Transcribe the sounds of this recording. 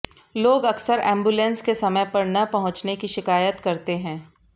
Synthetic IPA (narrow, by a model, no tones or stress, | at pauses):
loːɡɐksəɾɛ̰̃ːmbulɛ̃nskesɐməjpɐɾnɐpɐɦʊ̃t͡ʃnekiʃɪkaːjət̪kɐɾt̪eɦɛ̃ː